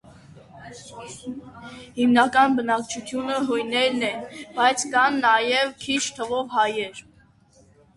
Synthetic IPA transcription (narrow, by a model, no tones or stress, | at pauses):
himnɑkɑnbənɑk̚t͡ʃʰut̪ʰjunəɦɔjnɛɾnɛbɑjt͡sʰkɑnːɑjɛvkʰit͡ʃʰt̪ʰəvɔvhɑjɛɾ